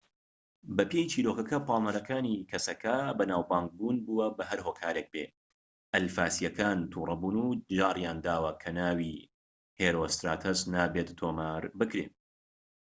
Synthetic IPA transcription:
bɐpejit͡ʃiːɾokɐkɐpʰɑːlˠnɐɾɐkʰaːnikʰɐsɐkʰɐbɐnaːwbaːŋɡ̚buːnbuːwɐbɐɦɐɾɦoːkʰaːɾek̚pḛː | ʔɐlfaːsijɐkʰaːnt̪ʰuːrˤɐbuːnud͡ʒaːrjaːnd̪aːwɐkʰɐnaːwi | heːɾoːst̪ɾaːt̪ʰɐznaːbet̪t̪ːʰoːmaɾbɨkɾḛn

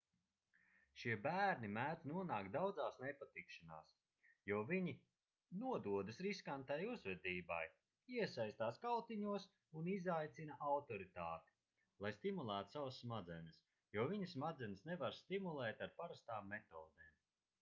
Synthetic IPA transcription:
ʃiɛbæːɾnimæːt̪nuɔnaːkd̪awd̪zaːsnepat̪ikʃana̰ːs | jɔviɲi | nuɔd̪uɔd̪ɨsɾiskant̪ajuzvɛd̪iːba̰j | iɛsajst̪aːskawt̪iɲuɔs | unizajt̪sinaʔawt̪ɔɾit̪aːt̪i̥ | lˠajst̪imulˠæːt̪u̥savasːmad̪zɛnəs | jɔɔviɲɐsmad̪zɛnʲsnevaɾst̪imulˠɛːt̪aɾpaɾast̪aːmːet̪ɔːd̪eːm

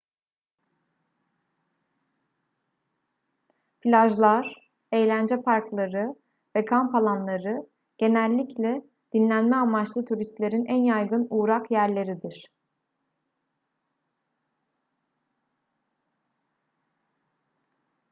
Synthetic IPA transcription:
pʰilʲaʒlˠaɾ̥ | e̞jlʲænd͡ʒɛpʰaɾklˠaɾɯ | vɛkʰampʰalˠanlˠaɾɯ | ɟ̥e̞nælʲːiclʲɛ | d̪̥inlʲænmɛamat͡ʃlˠɯt̪ʰuɾist̪lʲe̞ɾinænjajɡɯnuːɾakjæɾlʲe̞ɾid̪iɾ̥

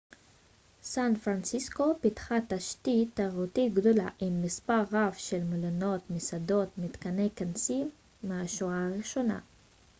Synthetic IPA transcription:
sanfʁansisko̞pitχat̪aʃt̪it̪aʁut̪iɡd̪o̞la̰ʔimːispaʁːavʃelmolano̞t̪misado̞t̪mit̪kanejkansimː | eaʃuaʁiʃo̞na̰

